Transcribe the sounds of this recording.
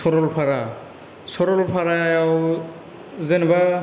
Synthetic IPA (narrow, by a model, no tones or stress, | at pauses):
sɔɾɔlpʰaɹa | sɔɾɔlpʰaɹajaw | zenɛba